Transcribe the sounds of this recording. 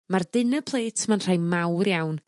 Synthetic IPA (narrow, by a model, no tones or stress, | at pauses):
mardɪnəpʰlˠeːtʰmanr̥ajmawrjawn